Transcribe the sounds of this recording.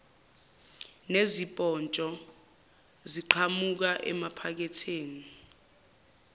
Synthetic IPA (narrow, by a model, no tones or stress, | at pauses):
nezipʼɔnt͡ʃʼɔ | ziǃʰamuk̬aʔɛ̰mapʰak̬ɛtʰeːni